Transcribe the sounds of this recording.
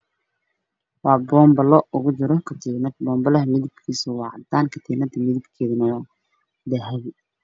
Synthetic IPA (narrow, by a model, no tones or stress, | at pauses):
wɑːbɔːmbɐlɔʊɣʊt͡ʃɪɾɔkʰɐt̪ʰɛɡnɐd̪bɔːmbɐlɐɦmɪðɪbkʰiːsʊwɑːʕɑ̰d̪aːnkʰɐt̪ʰɛːɡnɐd̪ɐmɪðɪbkʰɛːðɐnɐwɑː | d̪ɐɦɛβɪ